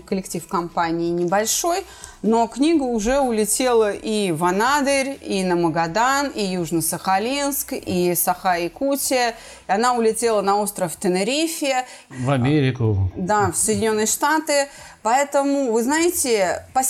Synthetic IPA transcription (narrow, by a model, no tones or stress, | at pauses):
kəlʲɪktʲifkɐmpanʲɪːnʲɪbɐlʲʂo̞j | no̞knʲiɡəʊʐɛʊlʲɪtʲe̞lˠəʔivɐnad̪əɾʲinəməɡɐd̪anijuʐnəsəxɐlʲinskisɐxaɪkutʲɪə | ɐnaʊlʲɪtʲelˠənɐo̞st̪ɾəft̪ənəɾʲifʲɪə | vɐmʲeɾʲɪkʊd̪afsəjdʲɪnʲo̞nːɨjəʂt̪at̪ɨpɐɛt̪əmʊvɨznajɪtʲɪpɐ